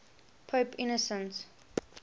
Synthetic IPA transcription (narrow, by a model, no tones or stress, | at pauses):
pʰopʰinəsə̃ns